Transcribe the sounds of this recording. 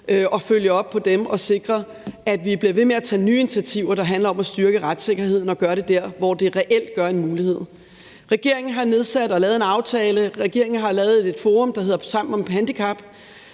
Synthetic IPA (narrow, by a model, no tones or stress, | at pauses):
ʔøʔɒ̽føljəɒ̽b̥̚pʰɒ̽d̥emɒ̽se̝ɡ̥ʁɐ | æd̥ʋib̥liɐʋe̝meæt͡sʰɛ̰ːnyːe̝nt͡sʰæt͡sʰiʊɐɾ̥ɑ̈ɦænlɐɒ̽mæsd̥yɐɡ̥əʁad̥se̝ɡ̥ɐɦhe̝ð̞̰ˠn̩ɒ̽ɡ̥ɶɐɾe̝d̥æɐ̰ʋɒ̰d̥e̝ʁɛʔel̰d̥̚ɡ̥ɶɐe̝nmuːlihe̝ð̰ˠ | ʁɛɡ̥e̝ɐ̰eŋn̩ɦɑ̈ne̝ð̞ˠsæd̥ɒ̽lɛːðˠe̝nɑ̈ʊt͡sʰɛːləʁɛɡ̥e̝ɐ̰e̝ŋn̩ɦɑ̈lɛːʊð̩ˠede̝d̥foːʁɔ̽md̥ɑ̈ɦe̝ð̰ˠɐsɑ̈m̰m̩ɒmhænd̥ikʰɑ̈b̥